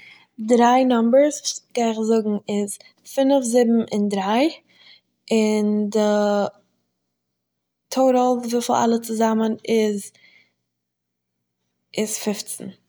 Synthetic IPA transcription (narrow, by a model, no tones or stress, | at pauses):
dɾaɪnɔmbəɾsɡ̥aɪɪχzʊɡŋ̩ɪz | fɪnəfzɪbm̩ɪndɾaɪ | ɪndɪ | tʰoʊɾəlˠvɪfl̩ˠa̰lˠət͡sɪzamənɪz | ɪsfɪft͡sn̩